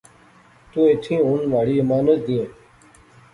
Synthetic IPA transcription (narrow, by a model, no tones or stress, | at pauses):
t̪ũːeːʈʰĩːʊnʋaːɽiːɪmaːnət̪d̪ĩẽː